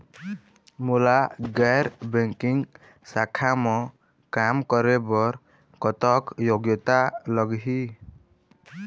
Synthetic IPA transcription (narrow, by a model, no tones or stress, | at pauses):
mulaɡɛjɾbɛŋkiŋ | sakʰamɔ | kamkɔɾɛbɔɾ | kɔt̪ɔkjoɡjɔt̪alɔɡɦi